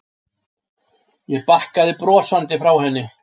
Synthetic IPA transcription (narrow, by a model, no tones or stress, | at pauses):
jɛpahkaðɪpɾɔːsant̪ɪfɾawhɛnːɪ